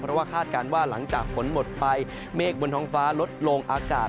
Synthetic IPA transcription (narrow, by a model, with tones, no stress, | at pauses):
pʰɾɔ˦˥waː˥˩kʰaː˥˩t̪̚kaː˧nwaː˥˩la˩˦ŋt͡ɕaː˨˩k̚pʰo˩˦nmo˨˩t̪̚pa˧j | meː˥˩k̚bo˧nt̪ʰɔː˦˥ŋfaː˦˥lo˦˥t̪̚lo˧ŋʔaː˧ka̰ː˨˩